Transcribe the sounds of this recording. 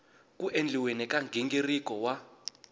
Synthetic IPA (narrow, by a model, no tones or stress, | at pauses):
kuʔend͡ɮʱiwenɛkaŋɡʱeŋɡerikʼɔwa